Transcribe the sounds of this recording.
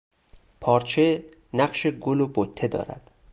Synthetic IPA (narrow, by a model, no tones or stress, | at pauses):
pʰɒːɾt͡ʃʰe̞ | næɢʃeɡolobot̪ʰːe̞d̪ɒ̰ːɾæ̰d̪̥